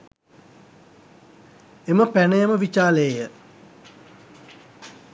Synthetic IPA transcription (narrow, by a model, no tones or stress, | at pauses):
eməpænəjəməʋit͡ʃaːlejə